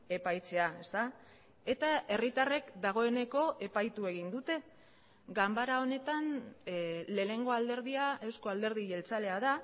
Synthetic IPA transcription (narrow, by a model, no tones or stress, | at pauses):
e̞pajt͡se̞ae̞st̪a | e̞t̪aʔe̞rit̪are̞kd̪aɣ̞o̞e̞ne̞ko̞ʔe̞pajt̪ue̞ɣ̞ind̪ut̪e̞ | ɡambaɾao̞ne̞t̪an | le̞ːne̞ŋɡo̞ald̪e̞ɾð̞iae̞wsko̞ald̪e̞ɾð̞iʝe̞lt͡sale̞aða